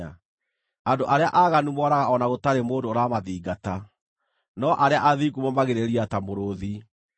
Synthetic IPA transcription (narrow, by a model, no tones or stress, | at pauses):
a | andoʔaɾeaʔaɣanumɔɾaɣaɔnaɣotaɾemoːdoɾamaðiːɡata | nɔʔaɾeaʔaðiɡumɔmaɣeɾeɾiatamoɾoði